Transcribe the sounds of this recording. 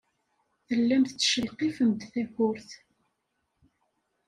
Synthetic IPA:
θəlːæmθt͡sːʃəlqifəmd̪θæxʊɾθ

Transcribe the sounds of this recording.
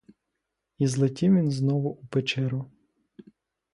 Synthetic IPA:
izlˠɪtʲiwʋʲinznɔʋʊʔupet͡ʃɛɾʊ

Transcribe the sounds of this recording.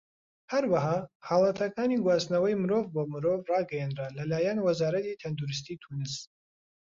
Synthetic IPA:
hɐɾwɐɦɑːhɑːlˠɐt̪ʰɐkaːniɡwaːznɐwɐjmɨɾoːvboːmɨɾoːvrɑːɡɐjɛnralɐlaːjanwɐzaːɾɐt̪it̪ʰɐnd̪oɾɨs̬t̪iːt̪ʰunɨs

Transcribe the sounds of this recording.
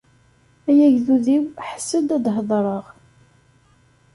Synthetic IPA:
æjæʝðuðiwħə̥sːəd̪æd̪ɦðˤɾˤəʁ

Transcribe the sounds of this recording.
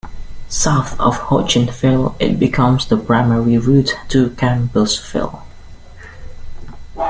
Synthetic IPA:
saʊθə̰v̥hɔt͡ʃɨ̃nfɪlˠɪ̰t̚b̥ɪkʰʌ̃mzðəpʰɹ̥aɪmɛɹiɹutːʰəkʰæ̃mbəsfɪ̰lˠ

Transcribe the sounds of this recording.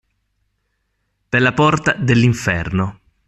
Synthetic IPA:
pelːapɔrt̪ad̪elːiɱfɛrno

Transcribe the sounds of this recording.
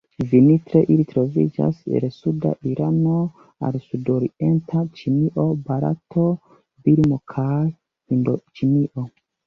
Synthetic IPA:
vinitɾeʔilitɾo̞vḭd͡ʒa̰sḛnsuda̰ʔiɾʔano̞ | a̰lsudoɾiʔentʰat͡ʃiniʔo̞baɾa̰tʰo | biɾmo̞kʰaj | hindot͡ʃiniʔo̞

